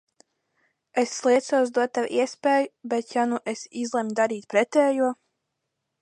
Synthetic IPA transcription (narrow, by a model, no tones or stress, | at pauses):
esːlˠiɛt̪suɔsd̪uɔt̪ːawʔiɛspʲɛːjubɛt̪januʔesizlˠɛmʲd̪aɾiːt̪̚pɾɛt̪ɛːjuɔ